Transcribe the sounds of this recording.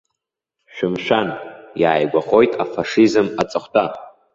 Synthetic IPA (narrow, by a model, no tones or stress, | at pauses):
ʃᶣɪmʃᶣanjaːjɡʷaχo̞jtʼafaʂizɨmat͡sʼɨχʷtʰʼa